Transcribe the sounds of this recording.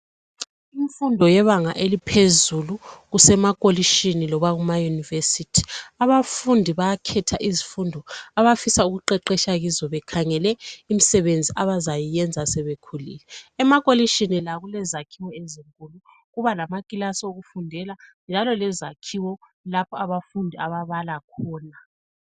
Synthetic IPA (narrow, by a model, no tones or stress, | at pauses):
iɱfundʱɔjɛβaŋaʔelipʰezuluɣusɛmakʼoliʃinilɔβaɣumajunivesitʰi̥aβafundʱiβajakʰɛtʰaʔizifundʱɔaβafisauɣuǃɛǃɛʃaɣizɔβɛkʰaŋɛlɛimisɛβend͡zʱiʔaβazajijɛnd͡zʱasɛβekʰulḭlɛːmakʼoliʃinilaɣulɛzakʰiwɔeziŋkʼulu | ɣuβalamakʼilasɔoɣufundʱɛland͡ʒʱalɔlɛzakʰiwɔ | lapʰɔaβafundʱiaβaβalakʰɔːna